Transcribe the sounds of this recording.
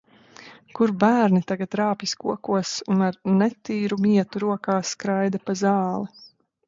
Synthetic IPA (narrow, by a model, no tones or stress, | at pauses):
kuɾbæːɾnit̪aɡat̪ɾaːpjiskuɔkuɔsunaɾnɛt̪iːɾumiɛt̪uɾuɔkaːskɾajd̪apazɑːlˠi